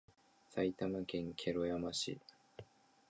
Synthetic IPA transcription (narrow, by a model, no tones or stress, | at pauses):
sait̪amakẽ̞ŋkʰʲe̞ɾojamaɕḭ